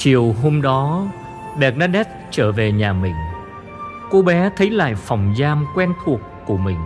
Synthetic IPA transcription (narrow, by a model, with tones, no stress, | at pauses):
t͡ɕi˨˩əwɦo˧mɗɔ˨˦ | ɗɛ˨˩k̚naː˧ɗɛ˦˥t̚t͡ɕəː˧˩ve˨˩ɲaː˨˩mï˨˩ŋ̟ | ko˧˦ɓɛ˨˦t̪ʰə˨˦jla̰ː˧˨jfa˨˩wŋ͡mzaː˧mkwɛ˧nt̪ʰu˨˩əkːu˧˩əmï˨˩ŋ̟